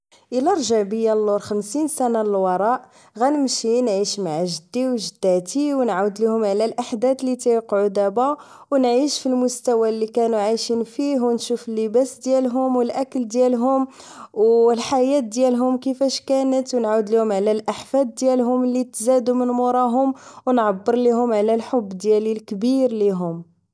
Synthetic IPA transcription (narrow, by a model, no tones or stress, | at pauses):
ʔəlæɾˤʒaʕbəjːalːoɾxəmsinsænaləlwɑɾˤɑʔ | ɣænəmʃinʕiʃmaʕaʒəd̪ːiwʒəd̪̥ːæt̪iwnʕawd̪lihʊmʕlælʔaħd̪æd̪lit̪æjqʕud̪æbæ | wnʕiʃfilmʊst̪æwælːikænuʕajʃinfiɦwnʃufəlːəbæsd̪jælɦʊmwəlʔækəld̪jælɦʊm | wlħajæt̪̚d̪jælɦʊmkəfæʃkænət̪wnʕawd̪lihʊmʕlælʔaħfæd̪̚ːjælɦʊmlːit̪zæd̪umənmʊɾˤɑɦʊmwnʕɑbːəɾˤliɦʊmʕlælħobːd̪jælilkbiɾliɦʊm